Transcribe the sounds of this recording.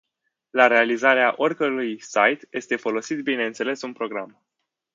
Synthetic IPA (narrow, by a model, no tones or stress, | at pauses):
laɾe̞alizaɾeaʔo̞rʲkəɾujsajt̪jʔe̞st̪e̞fo̞lo̞sit̪bine̞ɨnt̪sele̞sunpɾo̞ɡɾam